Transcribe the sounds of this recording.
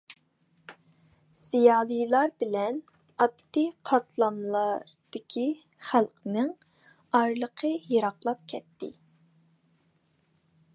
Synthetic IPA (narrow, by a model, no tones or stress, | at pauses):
z̥ijɑːlˠɨjlˠɑɾbɪlɛn | ɑt̪ːiqʰɑt̪ʰlˠɑmlˠɑɾd̪̥ɪkʲʰi | χælˠqənɨŋ | ɑɾlˠəqʰəjiɾɑqlˠɑp̚kʲʰɛt̪ːɪ̰